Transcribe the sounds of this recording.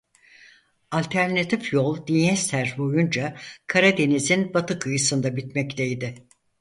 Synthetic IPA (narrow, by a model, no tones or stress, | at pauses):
alʲt̪ʰæɾnat̪ʰifjo̞lˠd̪ijɛst̪ʰæɾbojund͡ʒakʰaɾad̪e̞nizinbat̪ʰɯkʰɯjɯsɯnd̪abit̪mɛct̪ʰejd̪ɪ